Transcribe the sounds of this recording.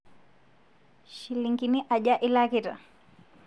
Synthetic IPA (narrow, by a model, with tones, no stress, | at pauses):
ʃiliŋkini˦ʔa˨ʄa˦ʔi˦lakita̰˨